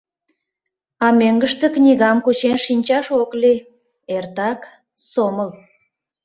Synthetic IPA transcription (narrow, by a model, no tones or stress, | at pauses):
ɑmøŋɡəʃt̪ĕknʲiɣɑmkut͡ɕenʃinʲt͡ɕɑʃokli | ert̪ɑk | soməl